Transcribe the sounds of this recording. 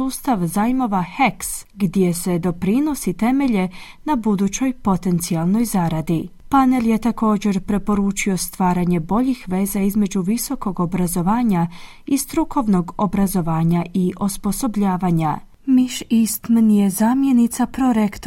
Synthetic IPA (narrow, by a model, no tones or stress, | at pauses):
uːst̪aʋzajmo̞ʋaheksɡd̪je̞se̞d̪o̞pɾino̞sit̪e̞me̞ʎe | nabud̪ut͡ɕo̞jpo̞t̪e̞nt̪sialˠnojzaɾad̪i | pane̞lje̞t̪ako̞ːd͡ʑe̞ɾpɾe̞po̞ɾuːt͡ʃio̞st̪ʋaːɾaɲe̞bo̞ʎixʋe̞ːzaizme̞d͡ʑuʋiso̞ko̞ɡo̞bɾazo̞ʋaːɲa | ist̪ɾukʰo̞ʋno̞ɡo̞bɾazo̞ʋaːɲaiʔospo̞so̞bʎaːʋaɲa | miʃist̪mnijezaːmje̞nit̪sapɾo̞ɾekt̪